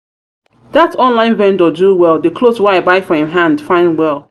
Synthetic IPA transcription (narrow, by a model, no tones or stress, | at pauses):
ðatʰɔ̃nlãɪ̃nvɛ̃ndəduwɛlˠdɨkʰlozwaaɪbaɪfɔɪ̃mɦãndfãɪ̃ndwɛlˠ